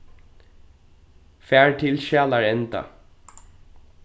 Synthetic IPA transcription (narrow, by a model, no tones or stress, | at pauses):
fæːɹʈʰɪlʃæːlɑɹɛnt̪ɑ̰